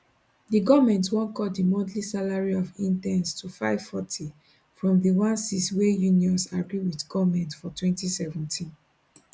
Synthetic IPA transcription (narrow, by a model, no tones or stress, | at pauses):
diɡɔvmɛ̃ntwɔ̃nkɔdimɔ̃dlisalaɹiɔvĩntɛ̃nstʰufaɪv̥fɔtʰi | fɹɔ̃mðiwãnsiswejũniɔ̃nsaɡɹiwiθɡɔvmɛ̃ntfɔtwɛ̃ntisɛvɔ̃ntʰĩn